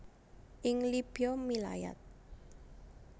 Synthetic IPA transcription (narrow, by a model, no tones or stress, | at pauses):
ʔɪŋlib̥ijɔmila̰ja̰t̪̚